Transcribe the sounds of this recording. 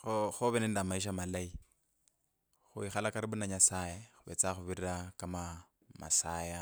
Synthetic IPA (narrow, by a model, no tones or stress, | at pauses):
xoxoβenendamaiʃ̬amalai | xuixalakaɾibunaɲasajexuβet͡saxuβiɾiɾakama | ma̰saːja